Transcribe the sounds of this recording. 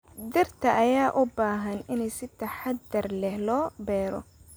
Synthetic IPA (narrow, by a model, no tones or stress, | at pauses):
d̪ɪrt̪ʰɐʔɐjaːʔʊbaːɦɐnɪnɛjsɪt̪ʰɐħad̪ɐrlɛhlɔːbɛːɾɔ̰